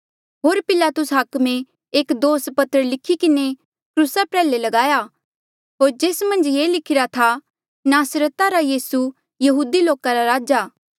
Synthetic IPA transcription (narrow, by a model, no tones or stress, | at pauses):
ɦoːɾpɪlaːt̪ʊsɦɐkmẽ | eːkd̪oːspɐt̪əɾlɪkʰːikɪne | kɾuːsapɾɛːlelɐɡaːja | ɦoːɾd͡ʒeːsmɐ̃nd͡ʒjeːlɪkʰɪɾat̪ʰa | naːsɾət̪aɾajiːsu | jɐɦuːd̪iloːkaɾaɾaːd͡ʒaː